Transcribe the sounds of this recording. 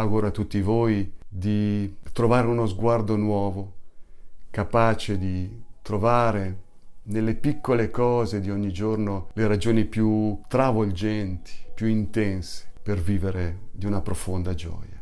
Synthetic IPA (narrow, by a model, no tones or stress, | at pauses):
aɡuɾat̪ːut̪ːivoːjd̪it̪ɾovaːɾeunozɡward̪onwɔːvo | kapaːt͡ʃed̪it̪ɾovaːɾe | nelːepikːolekɔːzed̪ioɲːid͡ʒornoleɾad͡ʒoːnipjut̪ɾavold͡ʒɛnt̪i̥pjuint̪ɛnse̥perviːveɾed̪iunapɾofond̪ad͡ʒɔ̰ːja